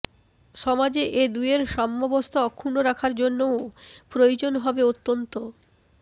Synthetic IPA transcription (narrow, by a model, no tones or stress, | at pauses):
ʃɔmad͡ʑeʔed̪ueɾʃɔmːɔbost̪ʰoɔkʰːunoɾakʰaɾd͡ʑonːoopɾojod͡ʑonɦɔbeot̪ːont̪o